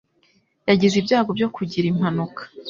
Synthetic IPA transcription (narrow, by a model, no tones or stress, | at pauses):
jaɟizibjaːɡo̞bjo̞kʰuɟiɾim̥hanukʰḁ